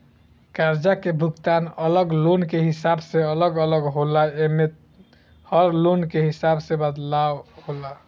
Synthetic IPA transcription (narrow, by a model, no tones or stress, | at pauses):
kaɾd͡ʒakebʱuɡt̪anələɡlonkeɦisabseələɡələɡɦolaeme | həɾlonkeɦisabsebəd̪lawhola